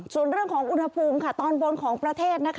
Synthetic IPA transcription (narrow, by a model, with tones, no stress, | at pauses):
su˨˩˦ənɾɯ˥˩əŋkʰɔː˩˦ŋʔu˧nha˧pʰuː˧mkʰa˥˩t̪ɔː˧nbo˧nkʰɔː˩˦ŋpɾa˧t̪ʰeː˥˩t̪̚na˦˥kʰ